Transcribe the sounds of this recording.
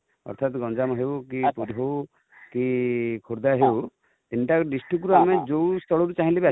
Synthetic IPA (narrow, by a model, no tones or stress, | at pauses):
ɔ̰ɾt̪ʰat̪ɡɔnd͡ʒamɔɦewkipuɾɦow | kikʰuɾd̪aɦew | t̪inʈakɖisʈuk̬uɾuamẽd͡ʒowst̪ʰɔɭɔɾut͡ʃaɦĩleba